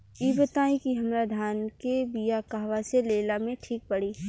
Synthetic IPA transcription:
iːbət̪aːĩkiɦɐmɾad̪ʱaːnkebijakaːʋaseleːlamẽʈʰiːk̚pɐɽiː

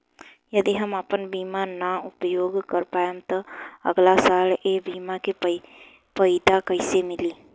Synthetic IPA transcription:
jəd̪iɦəməpənbiːmanaʊpjoːɡkəɾpaːəmt̪əə̰ɡlasaːlebiːmake | pəɪd̪akəɪsemɪli

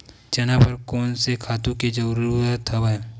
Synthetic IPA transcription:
d͡ʒɐnapɐɾkɔːnsekʰaːt̪ũked͡ʒɐɾuɾət̪ʰɐbə

